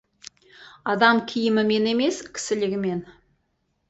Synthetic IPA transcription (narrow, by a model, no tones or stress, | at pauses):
ɑd̪ɑmkʲʰijɪmɪme̞ne̞me̞skʲʰɪ̥sɪ̆lɪɡʲɪme̞n